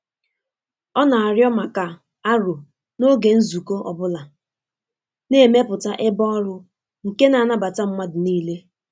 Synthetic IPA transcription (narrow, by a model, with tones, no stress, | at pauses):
ɔ˦na˨a˨ɾjɔ˦ma˨ka˨ | a˦ɾo˨ | no˦ɡe˨n̩˦zu˨ko˦ʔɔ˨bʊ˦la˨ | ne˦˨me˦pʊ˨ta˦ʔɪ˦bɔ˦ɔ˦ɾʊ˦ | ŋ̩˨ke˦na˨na˦ba˨ta˦m̩˦ma˦dʊ˨niː˦le˦